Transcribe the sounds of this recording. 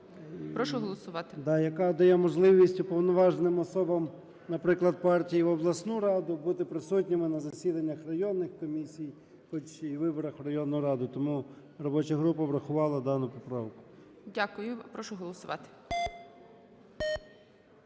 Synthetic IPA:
pɾɔʃʊɦɔlˠɔsʊʋɑt̪ɪd̪ɑjɐkɑd̪ɐjɛmɔʒlˠɪʋʲisʲtʲupɔwnɔʋɑʒnɪmɔsɔbɐm | nɐpɾɪklˠɐd̪̚pɑrtʲijiʋɔblˠɐsnuɾɑd̪ʊbut̪ɪpɾɪsutʲnʲɪmɪnɐzɐsʲid̪ɐnʲːɐxrɐjɔnːɪxkɔmʲisʲij | xɔt͡ʃiʋɪbɔɾɐxrɐjɔnːʊjʊɾɑd̪ʊt̪ɔmu | rɔbɔt͡ʃɐɦɾupɐbɾɐxʊʋɑlˠɐd̪ɑnʊpɔpɾɑwkʊ̥ | dʲakʊjʊpɾɔʃʊɦɔlˠɔsʊʋɑ̰t̪ɪ̥

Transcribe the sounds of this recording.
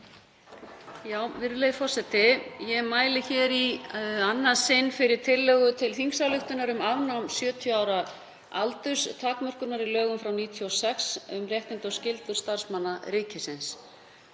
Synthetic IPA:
jaːwvɪɾʏlejfɔr̥sɛt̪ɪjɛmaːjlɪçɛɾianːasɪnːfɪɾɪɾ̥t̪ʰɪlːɛɣʏt̪ʰɪlθiŋksalʏxt̪ʏnaɾʏmavnawmsjœːt̪ʰjɔaːwɾa | alt̪ʏst̪ʰaːkmœr̥kʏɾnaɾilœːɣʏmfɾawniːt̪ʰjiɔsɛksʏmrjɛht̪ɪnt̪ɔwscɪlt̪ʏɾ̥st̪aɾ̥smanːaɾɪːcɪsɪns

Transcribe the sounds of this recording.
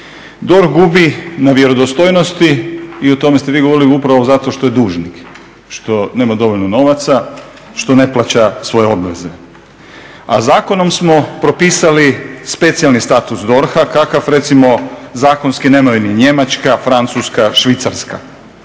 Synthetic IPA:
d̪o̞ɾxɡubinaʋje̞ɾo̞d̪ost̪ojno̞st̪iːot̪o̞me̞st̪e̞ʋiːɡoo̞ɾiliupɾaʋozat̪o̞ʃt̪o̞je̞d̪uːʒnik | ʃt̪o̞ne̞ːmad̪o̞ʋo̞ʎlnono̞ʋat̪sa | ʃt̪o̞ne̞plˠat͡ɕasʋo̞jeo̞bʋeze̞ | a̰zaːko̞no̞msmo̞pɾo̞piːsalispe̞t̪sijalnist̪at̪usd̪o̞ɾxakakafɾe̞t̪simo̞zaːko̞nskineːmajuniɲe̞mat͡ʃkafɾant̪suskaʃʋit̪saɾska̰

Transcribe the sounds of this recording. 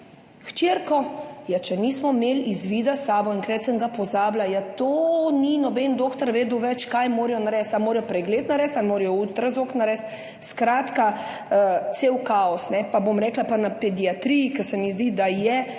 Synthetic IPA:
ʃt͡ʃeɾkɔjɛt͡ʃɛnismɔmeːlizʋiːd̪asaːbɔiŋkɾɛːt̪səŋɡapɔzaːblajat̪oːninɔbɛnd̪oːkt̪ɔɾʋeːd̪uwʋɛt͡ʃkajmoːɾijɔnaɾɛːst̪almoːɾjɔpɾɛɡlet̪naɾɛːst̪almoːɾɛjɔuːt̪ɾazoknaɾɛst̪ | skɾaːt̪ka | t̪seːwkaɔsnɛpabomɾɛːklapanapɛd̪iat̪ɾijikɛsɛmizd̪iːd̪ajɛ

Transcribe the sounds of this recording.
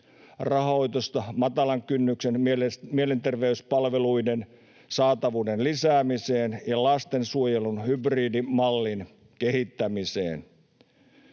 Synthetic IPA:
rɑɦo̞jt̪ost̪ɑmɑt̪ɑlɑŋkynːyksenmie̞le̞nt̪e̞rʋe̞yspɑlʋe̞lujde̞n | sɑːt̪ɑʋuːde̞nlisæːmise̞ːnjɑlɑst̪e̞nsuo̞jelunɦybriːdimɑlːin | ke̞ɦit̪ːæmisḛːn

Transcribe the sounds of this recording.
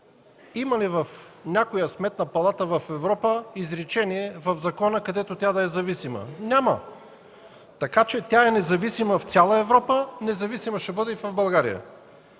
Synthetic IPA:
imɐlivɐfnʲakojəsmɛt̪nəpɐlˠat̪əvɐfɛvɾɔpəizɾɛt͡ʃɛniɛvɐvzɐkɔnəkɐd̪ɛt̪ot̪ʲad̪ɐɛzɐvisimə̰nʲamə̰ | t̪ɐkat͡ʃɛt̪ʲjaɛnɛzɐvisiməft̪sʲjalˠəɛvɾɔpənɛzɐvisiməʃɛbɤd̪ɛifɐvbɐlˠɡaɾḭjə̰

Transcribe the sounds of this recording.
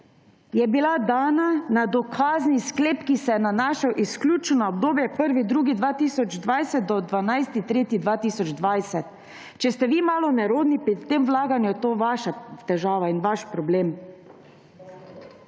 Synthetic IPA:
jɛbilad̪aːnanad̪ɔkʰaːzniskleːpkisɛjɛnanaːʃawʔisklʲuːt͡ʃnaɔb̚d̪oːbjɛpəɾʋid̪ɾuːɡid̪ʋaːt̪iːsɔd͡ʒd̪ʋajsɛt̪̚d̪ɔd̪ʋanajst̪it̪ɾeːt̪id̪ʋaːt̪iːsɔd͡ʒd̪ʋajsɛt̪ | t͡ʃɛst̪ɛʋiːmaːlɔnɛɾoːd̪nipɾit̪ːeːmʋlaːɡanjujɛt̪oːʋaːʃat̪ɛʒaːʋainʋaʃpɾɔbleːm

